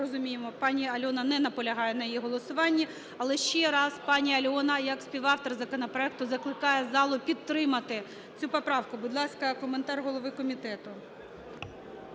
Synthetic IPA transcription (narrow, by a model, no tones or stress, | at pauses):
ɔzʊmʲijemɔpɑnʲiɐlʲɔnɐnɛnɐpɔlʲɐɦɑjɛnɐjijiɦɔlˠɔsʊʋɑnʲːi | ɐlˠɛʃt͡ʃɛɾɑspɑnʲiɐlʲɔnɐjɐksʲpʲiʋɑft̪ɔrzɐkɔnɔpɾɔɛk̚t̪ʊzɐklˠɪkɑjɛzɑlˠʊpʲit̪ːɾɪmɐt̪ɪ | t͡sʲupɔpɾɑwkʊbʊd̪lˠɑskɐkɔment̪ɑrɦɔlˠɔʋɪkɔmʲit̪ɛt̪ʊ